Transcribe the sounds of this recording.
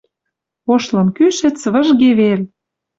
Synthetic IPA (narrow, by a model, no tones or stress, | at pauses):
oʃlɤ̆mkyʃɘ̆t͡sβə̆ʒɣeβel